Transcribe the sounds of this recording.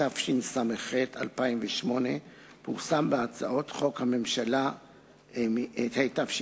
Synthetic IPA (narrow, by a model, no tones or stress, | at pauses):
afʃinsameχetʰa̰lpaimveʃmo̞ne̞ | puʁsambeat͡sa̰o̞tχo̞khame̞mʃala | ethejtafʃi